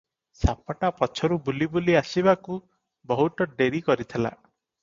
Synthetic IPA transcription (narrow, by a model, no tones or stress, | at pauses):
sapaʈapɔt͡ʃʰɔɾubulibuliasibaku | bɔɦut̪ɔɖeɾikɔɾit̪ʰila̰